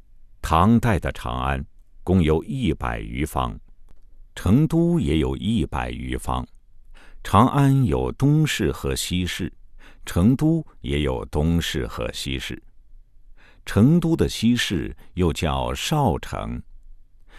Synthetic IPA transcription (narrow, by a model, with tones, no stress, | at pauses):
t̪ʰɑ˧˥ŋt̪a˥˩ɪd̪ə˩ʈ͡ʂʰɑ̰˧˥ŋa̰˥nkʊ˥ŋjo˧˥ʊʔi˥˩pa̰˨˩ɪy̰˧˥fɑ̰˥ŋ | ʈ͡ʂʰɤ˧˥ŋt̪u˥jɛ˧˥jo˨˩ʊʔi˥˩pa̰˨˩ɪy̰˧˥fɑ̰˥ŋ | ʈ͡ʂʰɑ˧˥ŋʔa˥njo˨˩ʊt̪ʊ˥ŋʂɻ̩˥˩xɤ˧˥ɕi˥ʂɻ̩˥˩ʈ͡ʂʰɤ˧˥ŋt̪u˥jɛ˧˥jo˨˩ʊt̪ʊ˥ŋʂɻ̩˥˩xɤ̰˧˥ɕi˥ʂɻ̩˥˩ | ʈ͡ʂʰɤ˧˥ŋt̪u˥d̪ə˨ɕi˥ʂɻ̩˥˩˧jo˥˧ʊt͡ɕjɑ˥˩ʊʂɑ˥˩ʊʈ͡ʂʰɤ̰˧˥ŋ